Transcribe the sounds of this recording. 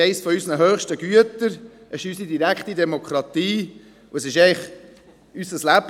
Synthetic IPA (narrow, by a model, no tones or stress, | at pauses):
ɛɪsfɔysnəɦøːχʃtəɡyətəɾʔɛʃysidiɾækχtidɛmokʰɾɑtiː | ʊəsɪʃɛɪχ | ysəslæb̥